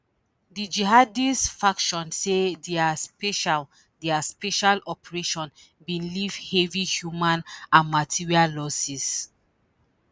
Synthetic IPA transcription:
did͡ʒiɦadistfakʃɔ̃nsedɛaspeʃal | diaspɛʃalɔpɹeʃɔ̃n | bĩnlivhɛvihjumãnãnmatʰiɹiallɔsis

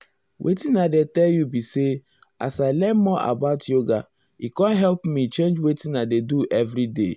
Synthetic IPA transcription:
wʔḛtinadetɛljubise | a̰salɛmɔʔa̰baʊtjoɡa | ikɔ̃nɦɛlpmit͡ʃẽnd͡ʒwetinadeduʔɛvɾidḛ

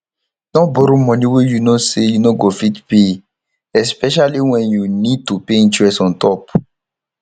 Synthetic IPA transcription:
nɔ̃bɔɾomɔ̃nĩwejunosejunoɡofitpe | ɛspɛʃ̬aliwɛ̃njunid̚tupeĩntɹɛstɔ̃ntɔp

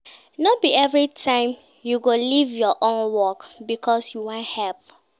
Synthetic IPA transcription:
nɔbiɛvɹitʰãɪ̃m | juɡolivjɔʔõnwɔkbikʰɔsjuwãnthɛlp̚

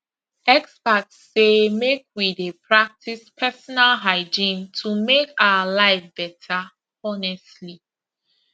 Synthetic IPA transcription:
ɛkspatsːemekwidepʰɹak̚tʰispʰɛsɔnalɦaɪd͡ʒĩntʰumekaalaɪfb̥ɛtʰa | ɔnɛstli

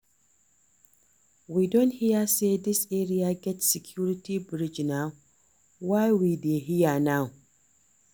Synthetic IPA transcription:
widõnthijasedɪseɾiaɡɛtsikʰjuɾitibɾid͡ʒnaw | wajwideɦijanaw

